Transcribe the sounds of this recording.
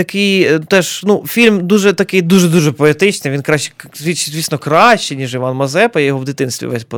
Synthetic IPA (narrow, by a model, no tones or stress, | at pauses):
t̪ɐkɪjjt̪ɛʃnufʲilʲmd̪uʒɛt̪ɐkɪjd̪uʒɛd̪uʒɛpɔet̪ɪt͡ʃnɪjʋʲinkɾɑ̥zʲʋʲit̪ʲt͡ʃɪzʲisnɔkɾɑʃt͡ʃɪnʲiʒɪʋɑnmɐzɛpɐijɔɦɔʋd̪ɪt̪ɪnst̪ʋʲḭʋɛ̰sʲpɔ